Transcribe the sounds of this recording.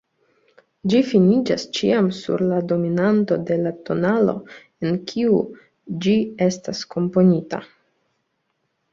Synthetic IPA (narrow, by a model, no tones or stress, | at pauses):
d͡ʒifinid͡ʒast͡ʃḭamsṵɾlado̞minanto̞de̞lato̞nalo̞̰ | enkʲʰiu | d͡ʒie̞stasko̞mpo̞nita̰